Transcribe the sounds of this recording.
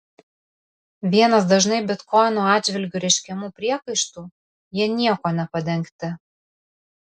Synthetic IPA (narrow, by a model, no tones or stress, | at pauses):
ʋʲiɛnɐs̬d̪ɐʒnɐɪbʲɪt̪kʰɔɪnoːɑːdd͡ʒʲʋʲɪlʲɡʲuːɾʲɛɪʃʲkʲɛmuːpʲɾʲiɛkɐɪʃt̪uː | jiɛnʲiɛkoːnʲɛpɐd̪ʲɛŋkt̪ʲɪ